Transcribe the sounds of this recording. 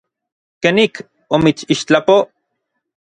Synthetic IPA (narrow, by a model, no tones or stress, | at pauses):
kenik | omit͡ʃiʃt͡ɬapo